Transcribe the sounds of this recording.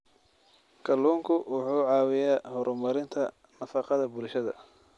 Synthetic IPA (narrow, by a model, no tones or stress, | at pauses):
kʰɐluːŋkʰʊwʊħuːʕɑːwɪjaːhɔɾʔʊmɐɾɪnt̪ʰɐ | nɐfɑqɑðɐbʊlʃɐðɐ̰